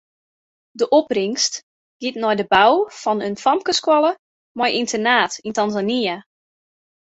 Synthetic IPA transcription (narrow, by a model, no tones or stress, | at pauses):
dəʔopriŋst | ɡ̥itnɔjdəbawfɔnənfɔmkəskwɔlˠə | mɔjʔintʰənaːtintanzania